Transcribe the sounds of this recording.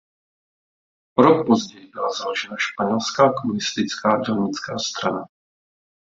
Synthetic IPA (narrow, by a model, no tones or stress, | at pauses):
ɾok̚pozɟɛjɪbɪlazaloʒɛnaʃpaɲɛlskaːkomunɪst̪ɪt͡skaːdɛlɲɪt͡skaːst̪ɾana